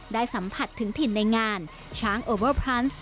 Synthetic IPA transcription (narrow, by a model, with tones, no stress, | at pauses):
daː˥˩jsa˩˦mpʰa˨˩t̪ʰːɯ˩˦ŋt̪ʰi˨˩na˧jŋaː˧n | t͡ɕʰaː˦˥ŋʔoː˧wə˥˩pʰɾa˦˥ns